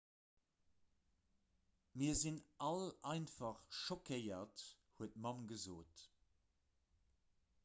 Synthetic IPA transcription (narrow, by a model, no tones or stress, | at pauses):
miɐzinʔɑlɑɪnfɑχʃokʰəɪɐt | huət̚mɑnɡəzoːt